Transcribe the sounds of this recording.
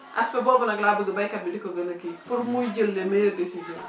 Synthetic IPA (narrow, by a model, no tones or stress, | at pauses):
ʔa̰spebobunaɡlabəɡibajkabidikoɡənakifuɾmud͡ʒəlːemejədesizo